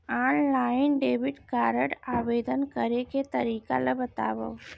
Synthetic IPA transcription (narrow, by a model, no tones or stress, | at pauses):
anlainɖebiʈkaɾəɽaʋed̪ənkəɾeket̪əɾika̰labət̪a̰ʋə̰w